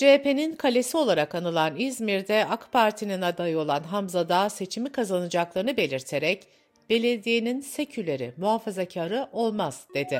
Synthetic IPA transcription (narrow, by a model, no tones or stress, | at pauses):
d͡ʒepe̞ninkʰalʲe̞sio̞lˠaɾakanɯlˠanizmiɾd̪ɛakpʰaɾt̪ʰininad̪ajɯo̞lˠanɦamzad̪aːse̞t͡ʃʰimikʰazanɯd͡ʒaklˠaɾɯnɯbe̞lʲiɾt̪ʰe̞ɾɛc | b̥e̞lʲeɾd̪ijeninse̞cʰylʲe̞ɾḭmuɦafazacʰaːɾɯʔo̞lˠmaz̥d̪̥e̞d̪ɪ